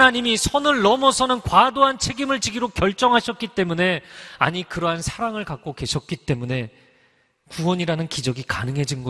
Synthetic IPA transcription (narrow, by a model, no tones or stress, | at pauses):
naɲimisʰʌnɯɭːʌmʌsʰʌnɯnkwadoɦant͡ɕʰe̞ɡimɯɭt͡ɕiɡiɾokjʌɭt͡ɕ͈ʌŋɦaɕʰʌt̚k͈it͈e̞mune̞a̰ɲikɯɾʌɦansʰaɾaŋɯɭkak̚k͈oke̞ɕʰʌt̚k͈it͈e̞mune̞ | kuwʌɲiɾanɯnkid͡ʑʌɡika̰nɯŋɦe̞d͡ʑinɡʌ